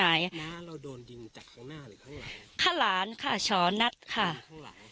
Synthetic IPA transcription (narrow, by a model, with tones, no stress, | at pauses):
aː˨˩˦ja˦ɾa˧doː˧ndi˧ŋt͡ɕa˨˩kʰːa˥˩ŋnaː˥˩˨kʰa˧˩laː˩˦nkʰa˥˩t͡ɕʰɔː˩˦na˦˥t̪̚kʰa˥˩˦